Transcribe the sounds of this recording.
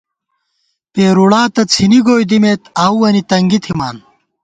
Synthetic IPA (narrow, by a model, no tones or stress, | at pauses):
peːɾuɽaːt̪ɐt͡sʰiniɡoːjd̪imeːt̪aːwwɐnit̪ɐŋɡit̪ʰima̰ːn